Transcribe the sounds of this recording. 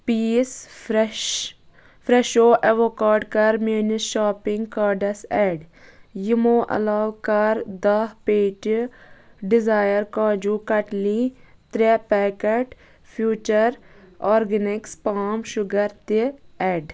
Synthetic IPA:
piːs | fɾɛʃoːʔeʋokaːɾɖkɐɾmeːniʃaːpɪ̃ŋɡkaːɾɖɐsɛːɖjimoːʔɐ̰laːʋkɐɾd̪ɐɦpeːʈ | ɖɪzaːjəɾkãːd͡ʒuːkɐʈlit̪ɾɛpɛːkeʈ | pʰjuːt͡ʃəɾɔːɾɡənɪkspaːmʃʊɡɐɾt̪eɛːɖ

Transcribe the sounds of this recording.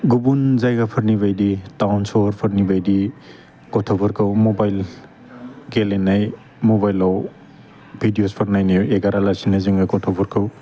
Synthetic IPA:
ɡubunzajɡapʰɐɾniβajditawnsɔɾpʰɐɾnibajdi | kɔtʰɔbɔɾkʰɯwmɔbajl | ɡelenːaj | mobajlaw | bʱidijospʰɐɾnajnajweɡaɾalasinaziŋɡakɔtʰɔbɔɾkʰɯw

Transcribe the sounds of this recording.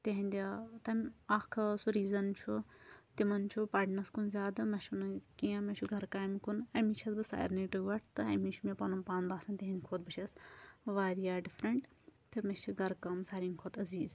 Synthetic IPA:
t̪eɦinʲd̪ʲt̪ɐmʲaːkʰɐsuɾiːzɐnt͡ʃʰut̪imɐnt͡ʃʰupaːʈnɐskunzʲaːd̪ɐmɐʃunɨkijãmɐt͡ʃʰuɡʱɐɾkaːmikunɐmit͡ʃʰɐsbɨsa̰ːjɾniʈɨɡʋɐʈʰt̪ɨɐmit͡ʃʰumepɐnumpãːnbaːsɐnt̪eɦinʲd̪ʲkʰoːt̪̚bɨt͡ʃʰɐsʋaːɾijaːɖifʰɾɐɳʈ | t̪ɨmit͡ʃʰiɡɐɾkɐmsaːɾʲinʲkʰoːt̪ɐziːz

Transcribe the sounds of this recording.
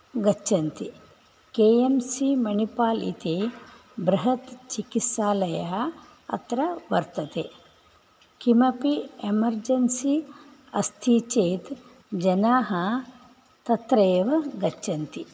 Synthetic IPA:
ɡɐt͡ʃːɐnt̪i | keːemsimɐɳipaːlḭt̪ibɾɐɦɐt̪t͡ʃikisaːlɐjɐɦɐ | ɐ̰t̪ɾɐʋɐɾt̪ɐt̪eː | kimɐpiemɐɾd͡ʒɐnsiɐst̪ʰit͡ʃeːt̪ | d͡ʒɐnaːɦɐ | t̪ɐt̪ɾɐːʋɐɡɐt͡ʃːɐnt̪i

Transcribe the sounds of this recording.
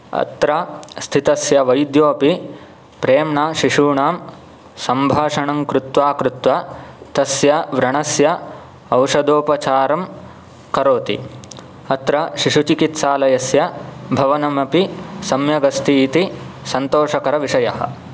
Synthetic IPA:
ɐ̰t̪ɾɐst̪ʰit̪ɐsjɐʋɐjd̪joːpi | pɾeːmɳaːʃiʂuːɳaːm | sɐmbʱaːʂɐɳɐŋkɾut̪ʋaːkɾut̪ʋat̪ɐsjɐʋɾɐɳɐsjɐ | ɐwʂɐd̪oːpɐt͡ʃaːɾɐm | kɐɾoːt̪ḭ | ɐt̪ɾɐʃiʂut͡ʃikit̪saːlɐjɐsjɐbʱɐʋɐnɐmɐpisɐmjɐɡɐst̪ʰit̪isɐnt̪oːʂɐkɐɾɐʋiʂɐjɐɦɐ̰̆

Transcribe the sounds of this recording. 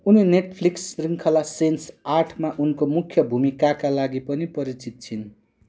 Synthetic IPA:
unineʈpʰliksriŋkʰʌlasensarʈʰmaʔunkomukʰːjʌbʱumikakalaɡipʌnipʌɾit͡sit̪̚t͡sʰin

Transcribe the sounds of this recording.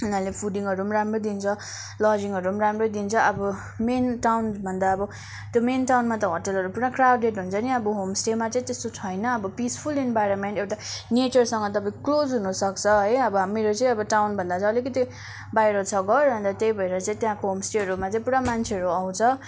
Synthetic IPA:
unalepʰuɖiŋʌɾumɾamrod̪int͡sʰʌ | lʌd͡ziŋɦʌɾumɾamrod̪int͡sʰʌʔʌbʌ | menʈawnbʱʌnd̪aʌbʌ | t̪jomenʈawnmat̪ʌɦoʈʌlɦʌɾupuɽãkrawɖeʈɦunt͡sʰʌniʌbʌɦomsʈemat͡sʌ̃ĩt̪est̪ot͡sʰʌjnʌːbʌpispʰulenbajɾonmeɳʈewʈanet͡sʌrsʌŋɡʌt̪ʌpãĩkklod͡zɦunʌsʌkt͡sʰʌɦʌjʌbʌɦameɾot͡sʌĩʌbʌʈawnbʱʌnd̪at͡sʌ̃ʌlikʌt̪i | bajɾot͡sʰʌɡʌɾɦʌ̃nd̪ʌt̪ejbʱʌeɾʌt͡sʌĩt̪jãkoɦomsʈeɦʌɾumat͡sʌ̃ĩpuɽamant͡sʰeɦʌɾuʌw̃t͡sʰʌ

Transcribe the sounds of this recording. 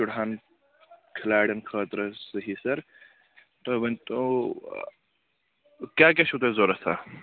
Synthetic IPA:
uɽɦaːn | kʰɐlaːɽɐnkʰəːt̪ɾəsɐɦisɐɾ | t̪oʋɐnt̪o | kʲaːk̬eʃut̪ezoːɾɐsaː

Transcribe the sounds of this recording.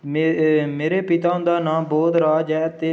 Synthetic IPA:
meːɾeːpɪt̪aːʊ̃nd̪aːnãːboːd̪ɾaːd͡ʒaːt̪eː

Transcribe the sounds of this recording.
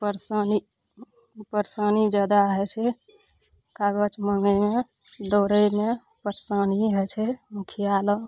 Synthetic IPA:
pəɾsəni | pəɾsənid͡ʒad̪aɦet͡ʃʰɛ | kaɡət͡ʃməŋɡeme | d̪oɾəme | pəɾsəniɦɛt͡ʃʰɛmukʰijalə

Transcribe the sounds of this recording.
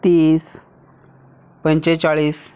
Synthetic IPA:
t̪iːs | pə̃ɲt͡ɕet͡saɭiːs

